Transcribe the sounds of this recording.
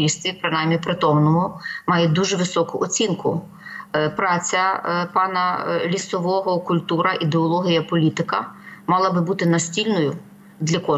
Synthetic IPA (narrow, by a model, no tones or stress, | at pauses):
ist̪ʲʋʲipɾɪnɑjmʲipɾɪt̪ɔmnɔɦɔmɑjɛd̪uʒɛʋɪsɔkʊʔɔt͡sʲinkʊ̰ | pɾɑt͡sʲɐpɑnɐlʲisɔʋɔɦɔkʊlʲt̪uɾɐʔid̪eɔlˠɔɦʲijɐpɔlʲit̪ɪkɐ̰mɑlˠɐbɪbut̪ɪnɐsʲtʲilʲnɔjʊ | d̪lʲɐkɔ